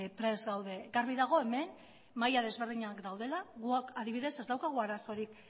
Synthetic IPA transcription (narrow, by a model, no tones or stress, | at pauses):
pɾe̞zɣawðeɡaɾβiðaɣ̞o̞e̞me̞n | majað̞e̞zβe̞ɾðiɲakd̪awð̞e̞laɣuakaðiβ̞iðe̞se̞zd̪awkaɣ̞uaɾaso̞ɾik